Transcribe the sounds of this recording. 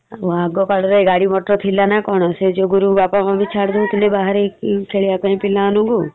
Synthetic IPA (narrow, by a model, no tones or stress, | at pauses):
ʋaːɡokəɽɾɔeɡaːɽimoːʈɾot̪ʰilanakɔːɳosed͡ʒoːɡʊɾubaːpamãbʱit͡ʃʰaːɽd̪ũt̪ɪlebaːɦəɾekkʰeːɭjakoĩːpɪlãːnũɡoː